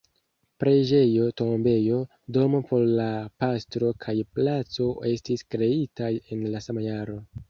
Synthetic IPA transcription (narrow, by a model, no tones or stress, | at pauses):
pɾe̞d͡ʒe̞jo̞to̞mbe̞jo̞ | do̞mopʰo̞ɾlapastɾo̞kʰajplat͡so̞e̞stiskɾe̞itae̞nlasamajaɾo̞